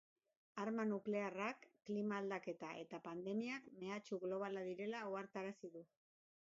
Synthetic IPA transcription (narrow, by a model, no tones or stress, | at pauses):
aɾmanukle̞arakːlimaːld̪ake̞t̪aʔe̞t̪apand̪e̞miakme̞at͡ʃuɣlo̞β̞alaðiɾe̞lauaɾt̪aɾasiðu